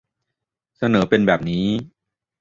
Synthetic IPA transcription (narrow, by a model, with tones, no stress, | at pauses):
sa˧nɤː˩˦pe˧nbɛː˨˩p̚niː˦˥